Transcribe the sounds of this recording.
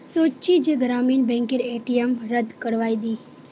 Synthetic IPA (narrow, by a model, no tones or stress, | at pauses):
sot͡ʃid͡ʒeɡɾaminbɛ̃ŋkeɾeʈijemɾəd̪kəɽʋajd̪i